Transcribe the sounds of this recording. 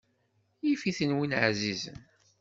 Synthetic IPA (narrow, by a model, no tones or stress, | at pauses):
jifiθənwinʕzizə̰n